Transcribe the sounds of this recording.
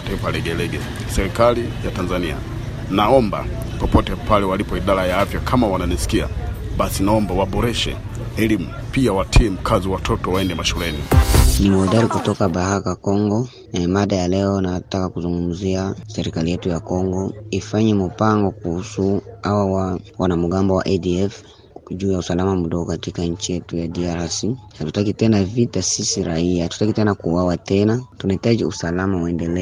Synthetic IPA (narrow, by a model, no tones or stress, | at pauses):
taifalɛɡɛlɛɡɛ | sɛɾikalijatanzania̰ | naɔmba̰ | pɔpɔtɛpalɛwalipɔiɗaɾajaafjakʰamawananisi̥kia̰ | ɓasinaɔmbawaɓɔɾɛʃɛ̰ | ɛlimupiawatʰiɛm̩kʰaziwatʰɔtɔwaɛndɛmaʃulɛninimɔdaɾikutɔkaɓahakakɔŋɡɔ | maɗajalɛɔnatakakuzuŋɡum̩ziasɛɾikalijɛtujakɔŋɡɔifaɲim̩paŋɡɔkuhusuawawawanamuɡambɔwa̰ʔɛdiɛf | ʄuːjausalamam̩ɗɔɡɔkatikaɲ̩t͡ʃijɛtujadiaɾasihatutakitɛnavitasisiɾaiatu̥takitɛnakuwawatɛnatunaitaʄiṵsalamawɛndɛlɛ